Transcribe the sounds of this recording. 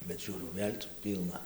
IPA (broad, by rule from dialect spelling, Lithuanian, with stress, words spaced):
bʲɛt ˈʒʲuːrʲɛʊ ˈʋʲeːlʲ t͡sʲɛ ˈpʲiːlˠnɐ